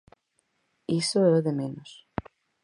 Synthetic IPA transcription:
isoɛðɪmɪnɔs

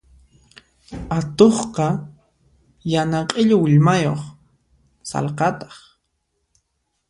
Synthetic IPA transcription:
at̪oχqɑ | janaqʼɪʎʊwɪʎmajo̰χ | sɑ̰lqɑt̪ɑ̥χ

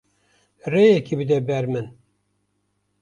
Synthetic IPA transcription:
rejɛkʰibɨd̪ɛbɛɾmɨn

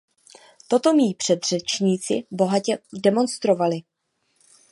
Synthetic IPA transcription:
t̪o̞t̪o̞miːpr̝̥ɛd̪r̝̥ɛt͡ʃɲiːt͡sɪ̰bo̞ɦacɛdɛmo̞nst̪ɾo̞valɪ

